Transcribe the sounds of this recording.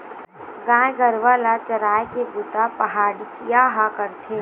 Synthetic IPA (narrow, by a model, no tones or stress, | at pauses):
ɡãːɡəɾʋaːlat͡ʃɐɾaːjkebʊt̪apɐɦaːɽikjaːɦakəɾt̪ʰeː